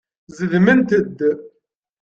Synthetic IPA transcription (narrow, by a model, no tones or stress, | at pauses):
zəðmənt̪əd̪ː